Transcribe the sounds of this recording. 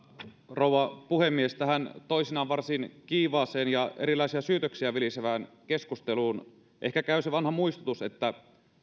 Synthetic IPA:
rouwɑpuhemːiest̪æɦænt̪oisinɑːnʋɑrsinkiːʋɑːseːnjɑeɾilˑɑisiɑsyːt̪øksiæʋiliseʋæːn | ke̞skust̪eluːn | ʔe̞hkækæyseʋɑnhɑmuist̪ut̪uset̪ːæ

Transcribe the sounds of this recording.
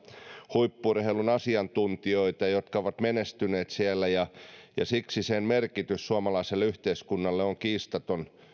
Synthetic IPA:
huipːurhelunɑsiɑnt̪unt̪ioit̪ɑjot̪kɑoʋɑt̪menest̪yneːt̪sielːæjɑjɑ̰siksisenmerkit̪yssuɑmɑlɑiselːeyht̪eiskunːɑlːeoŋkiːst̪ɑt̪on

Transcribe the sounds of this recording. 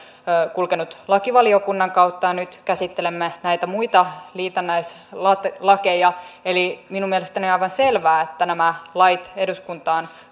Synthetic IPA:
kulkenut̪lɑkiʋɑliokunːɑŋkɑwt̪ːɑnyt̪kæsit̪ːelemːenæijt̪æmuit̪ɑliːt̪ɑnːæis | lɑt̪lɑke̞jɑeliminumielest̪ænioɑiʋɑnse̞lʋæːet̪ːænæmælɑjt̪e̞duskunt̪ɑːn

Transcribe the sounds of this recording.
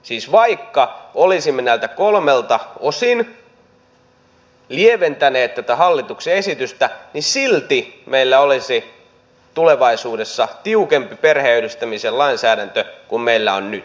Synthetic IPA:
siːsʋɑikːɑolisimːenæːlt̪ækolmelt̪ɑosin | lieʋent̪æneːt̪t̪æt̪æhɑlːit̪ukseesit̪yst̪ænisilt̪imeilːæolisi | t̪uleʋɑisuːdesːɑt̪iukempiperheyɾyst̪æmisellɑinsæːɾænt̪økummeilːæonnyt̪

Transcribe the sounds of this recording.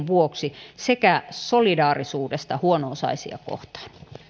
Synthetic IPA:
ʋuoksisekæsolidɑːrisuːdest̪ɑhuonoːsɑ̰isḭɑ̰ko̰ht̪ɑ̥ːn

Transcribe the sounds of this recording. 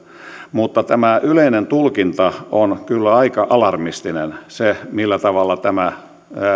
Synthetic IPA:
mut̪ːɑt̪æmæʔyleinent̪ulkint̪ɑonkylːæɑikɑʔɑlɑrmist̪inensemilːæt̪ɑʋɑlːɑt̪æmæ

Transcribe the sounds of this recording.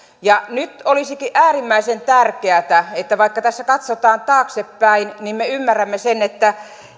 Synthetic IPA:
jɑnyt̪olisikiʔʔæːrimːæisent̪ærkeæt̪æet̪ːæʋɑikːɑt̪æsːækɑt̪sot̪ɑːnt̪ɑːksepːæinnimmeymːærːæmːesenet̪ːæ

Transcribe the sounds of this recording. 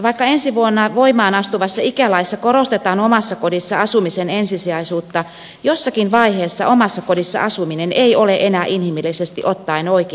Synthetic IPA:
ʋɑikːɑensiʋuonːɑʋoimɑːnɑst̪uʋɑsːɑikælɑisːɑkoɾost̪et̪ɑːnomɑsːɑkodisːɑɑsumisenensisiɑisuːt̪ːɑ | josːɑkinʋɑiheːsːɑʔomɑsːɑkodisːɑ̰ʔɑsumineneioleʔenæːʔinhimilːisest̪ḭʔot̪ːɑinoike

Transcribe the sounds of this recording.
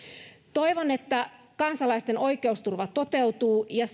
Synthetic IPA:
t̪o̞iʋone̞t̪ːæ | kɑnsɑlɑist̪e̞no̞jke̞ust̪urʋɑt̪o̞t̪e̞wt̪uːjɑs

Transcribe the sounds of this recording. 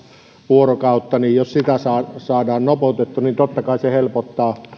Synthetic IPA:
ʋuorokɑˑut̪ːɑnijjossit̪æsɑːsɑːdɑːnnopout̪et̪ːunint̪ot̪ːɑkɑˑisehelpot̪ːɑː

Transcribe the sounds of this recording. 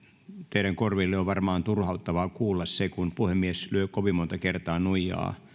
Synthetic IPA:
t̪eiɾæŋkorʋilːeoʋʋɑrmɑːnt̪urhɑut̪ːɑʋɑkuːlːɑssekunpuhemːieslyøkoʋimmont̪ɑkert̪ɑːnuijɑ̰ː

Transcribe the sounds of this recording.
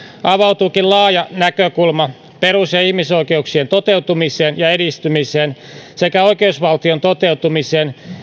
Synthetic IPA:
ɑʋɑwt̪uːkillɑːjɑnækøkulmɑ | peɾusjɑihmisoikeuksient̪ot̪ewt̪umiseːnjɑedist̪ymiseːn | sekæoikeusʋɑlt̪iont̪ot̪eut̪umiseːn

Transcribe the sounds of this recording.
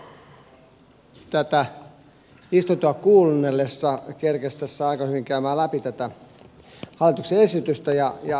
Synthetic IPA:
t̪æt̪æ | ist̪ot̪uɑkuːlunːelːesːɑkerkest̪æsːæɑikɑhyʋiŋkæymæːlæpit̪æt̪æ | hɑlːˑit̪ukseesit̪yst̪æjɑjɑ

